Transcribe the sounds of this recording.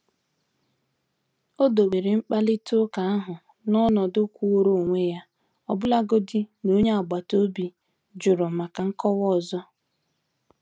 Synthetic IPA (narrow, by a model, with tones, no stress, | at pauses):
o˦do˨ɡ͡be˨ɾe˨ŋ͡m̩˦k͡pa˦lɪ˦tʰʊ˦ka˨a˦ɦʊ˨ | nɔ˦nɔ˨dʊ˦kʷu˦wo˦ɾo˦˨ŋʷe˦ja˦ | ɔ˨bʊ˦la˦ɡo˦di˦no˦ɲe˦a˨ɡ͡ba˨to˦bi˨ | d͡ʒʊ˨ɾʊ˨ma˨ka˨ŋ̩˦kɔ˦wɔ˦˨zɔ˦